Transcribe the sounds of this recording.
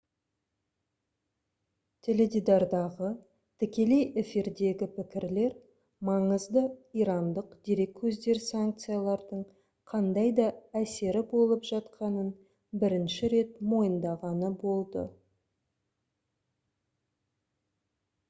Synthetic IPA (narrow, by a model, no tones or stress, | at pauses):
t̪ʲʰɪled̪ʲid̪ɑɾd̪ɑʁə | t̪ʰɪkʲe̞le̞jɪfiɾd̪e̞ɡʲɪpɪkʲɪɾle̞ɾ | mɑɴəzd̪əiɾɑnd̪əqd̪̥e̞ɾe̞kʲːʰɵzd̪e̞ɾsaŋk̚t̪sɨjalˠɑɾd̪əɴ | qʰɑnd̪ɑjd̪ɑæse̞ɾɪbo̞lˠəpʒɑt̪qʰɑnən | bɪɾɪnʃɪɾe̞t̪mo̞jənd̪ɑʁɑnəbo̞lˠd̪ə̰